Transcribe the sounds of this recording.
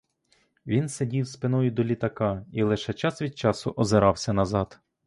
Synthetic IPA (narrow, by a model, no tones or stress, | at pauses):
ʋʲinsedʲiwspɪnɔjʊd̪ɔlʲit̪ɐkɑilˠɪʃɛt͡ʃɑsʋʲid̪̚t͡ʃɑsʊʔɔzeɾɑwsʲɐnɐzɑd̪̥